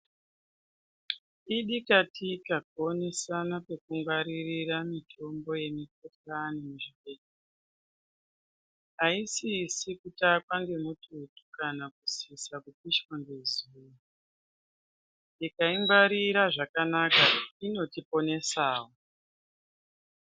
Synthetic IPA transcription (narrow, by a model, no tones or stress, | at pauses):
iɗikatʰikaɡ̚ʱo̞nesanape̞kuŋɡwaɾiriramitʰo̞mbo̞je̞mik̚otanimuʐike̞ɗe | ɦaisisikutakwaŋɡe̞mutʰutu̥kanakusisakupiʃwaŋɡezuru | ikaiŋɡwaɾiɾaʐakanakaino̞tipo̞ne̞saːwo